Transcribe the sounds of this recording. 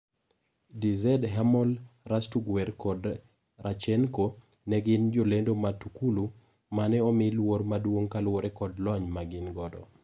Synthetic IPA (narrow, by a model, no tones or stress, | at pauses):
dizɛdɦamɔlrastuɡwɛɾkɔd | rʔat͡ʃɛnko | nɛɡɪnd͡ʒolendomatukulu | manɛɔmɪlwormadwoŋkalwoɾɛkɔdlɔɲmaɡɪnɡɔdɔ̰